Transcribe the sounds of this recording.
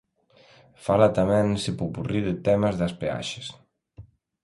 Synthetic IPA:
falat̪amensipupuriðet̪ɛməzðaspea̰ʃe̥s

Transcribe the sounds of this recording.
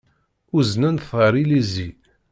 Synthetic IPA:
uznænθəɾˤilizi

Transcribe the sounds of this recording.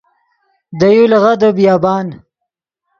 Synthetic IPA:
d̪ajulɣad̪əbijaːbɑːn

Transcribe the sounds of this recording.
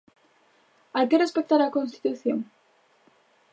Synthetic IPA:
ajkerespek̚t̪aɾakonst̪i̥t̪uθjoŋ

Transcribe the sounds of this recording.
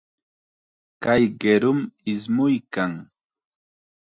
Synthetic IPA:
kajɢeɾʊmɪsmʊjkaŋ

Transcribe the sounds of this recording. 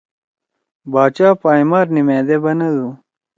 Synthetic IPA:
baːt͡ɕaːpaːimaːɾnimeːd̪ebɐnɐd̪u

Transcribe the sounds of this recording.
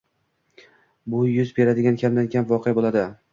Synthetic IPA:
bʊjʊzbe̞ɾad̪ɪɡʲankʲʰamd̪ankʲʰamvɒqʰejabolˠad̪ɪ

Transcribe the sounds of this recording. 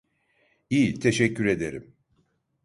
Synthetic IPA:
iːt̪ʰeʃɛcʰːyɾe̞d̪e̞ɾim

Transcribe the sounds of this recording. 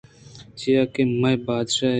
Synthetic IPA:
t͡ɕijaːkemɐjbaːd̪ʃaː

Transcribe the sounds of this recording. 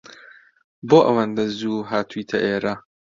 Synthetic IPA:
boːʔɐwɐnd̪ɐzuːɦaːt̪ʰuiːt̪ʰɐʔeːɾɐ

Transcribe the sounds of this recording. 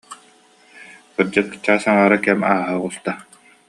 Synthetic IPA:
χɯɾd͡ʑɯkɯ̥t͡ɕːaːsaŋaːɾakɛmaːɦaʁust̪a

